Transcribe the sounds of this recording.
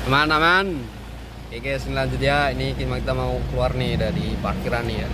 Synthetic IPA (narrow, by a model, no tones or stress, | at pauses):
amanaman | kekesinilaɲd͡ʒut̪iainikimakit̪amaukluarnidaɾiparkiɾanːia